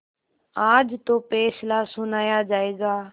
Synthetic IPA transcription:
aːd͡ʒt̪oːpɛːslaːsʊnaːjaːd͡ʒaːeːɡaː

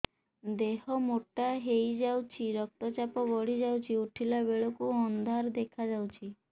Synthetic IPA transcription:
d̪eɦɔmoʈaɦejd͡ʒawt͡ʃʰiɾɔk̚t̪ɔt͡ʃapɔɡɔɽid͡ʒawt͡ʃʰiuʈʰilabeɭɔkuɔnd̪ʱaɾd̪ekʰad͡ʒawt͡ʃʰi

